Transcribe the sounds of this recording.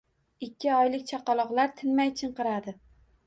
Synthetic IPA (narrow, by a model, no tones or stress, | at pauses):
ɪkʲʰːɪɒjlɪkʲt͡ʃʰɑqɑlˠɒqlˠaɾt̪ʰɪnmajt͡ʃʰɨɴqɨɾad̪ɪ